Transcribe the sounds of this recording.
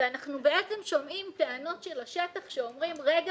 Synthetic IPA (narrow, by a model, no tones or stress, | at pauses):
eanaχnubeʔet͡semʃomʔimt̪eano̞tʃelaʃe̞taχʃeomʁimʁeɡa